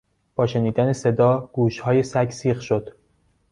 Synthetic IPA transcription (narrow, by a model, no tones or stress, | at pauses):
b̥ɒːʃe̞niːd̪ænese̞d̪ɒːɡ̥uːʃhɒːjesæksiːχʃod̪̥